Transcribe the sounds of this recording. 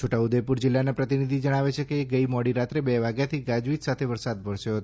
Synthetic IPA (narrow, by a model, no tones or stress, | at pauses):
t͡ʃʰoʈaud̪epuɾd͡ʒɪlːanapɾət̪inid̪ʱid͡ʒəɽ̃aʋet͡ʃʰekeːɡəimɔɽiɾat̪ɾebɛʋaɡjat̪ʰiɡad͡ʒʋit̪sat̪ʰeʋəɾsad̪̚bəɭʃoɦət̪